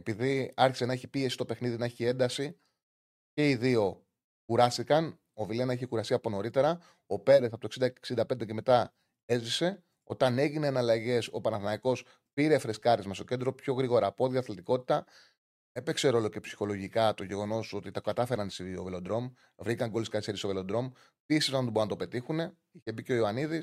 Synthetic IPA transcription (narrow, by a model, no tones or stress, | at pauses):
epiðiɐɾçi̥se̞nɐe̞çi̥pie̞sist̪o̞pe̞xniðinɐeçie̞nd̪ɐsi | ce̞iðio̞ | kuɾɐst̪ikɐn | o̞vilenɐeçekuɾɐst̪iɐpo̞no̞ɾit̪e̞ɾɐ | ope̞ɾesɐpot̪oe̞ksindɐksind̪ɐpe̞nd̪eceme̞t̪ɐ | e̞zise̞ | o̞t̪ɐne̞ʝineːnɐlɐʝe̞so̞pɐnɐθnɐiko̞s | piɾe̞fɾeskɐɾt̪ezmɐstoce̞nd̪ɾo̞pço̞ɣɾiɣo̞ɾɐːpo̞ðiɐθlet̪iko̞t̪i̥t̪ɐ | e̞pe̞kseɾo̞lo̞ce̞psi̥xo̞lo̞ʝikɐt̪o̞ʝe̞ɣo̞no̞so̞t̪it̪ɐkɐt̪ɐfe̞ɾɐnsiiovelod̪ɾo̞m | vɾikɐŋɡo̞liskɐɾseɾistovelod̪ɾo̞m | pisisɐnd̪uboɾunɐt̪ope̞t̪ixune̞ | içe̞biceo̞ioɐniðis